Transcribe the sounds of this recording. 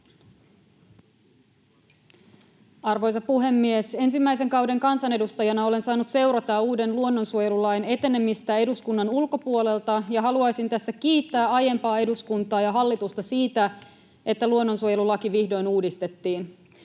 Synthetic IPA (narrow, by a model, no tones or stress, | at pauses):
ɑrʋo̞jsɑpuɦe̞mːiese̞nsimːæjse̞ŋkɑwde̞ŋkɑnsɑne̞dust̪ɑjɑnɑo̞le̞nsɑːnut̪se̞wɾɑt̪ɑuːde̞nluo̞nːo̞nsuojelulɑjne̞t̪e̞ne̞mist̪æe̞duskunːɑnulko̞puo̞le̞lt̪ɑjɑɦɑluɑjsint̪æsːæk̟iːt̪ːæːɑje̞mpɑːe̞duskunt̪ɑːjɑɦɑlːit̪ust̪ɑsiːt̪æ | e̞t̪ːæluo̞nːo̞nsuoje̞lulɑkiʋihdo̞jnuːdist̪e̞t̪ːiːn